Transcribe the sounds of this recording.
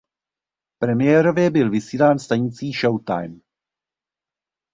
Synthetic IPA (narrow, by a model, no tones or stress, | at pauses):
pɾɛmɪjɛːɾo̞vjɛbɪlvɪsiːlaːnst̪aɲɪt͡siːʃowt̪a̰jm